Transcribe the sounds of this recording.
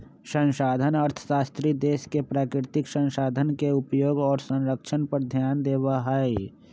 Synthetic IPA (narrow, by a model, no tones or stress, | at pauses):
sə̃nʃaːd̪ʱənɐɾt̪ʰə̥saːst̪ɾid̪eːskepɾaːkɾɪt̪ɪksə̃nʃaːd̪ʱənkeʊpjoːɡɔːɾsə̃nɾəkʃʰənpəɾd̪ʱjaːnd̪eːwaɦaːe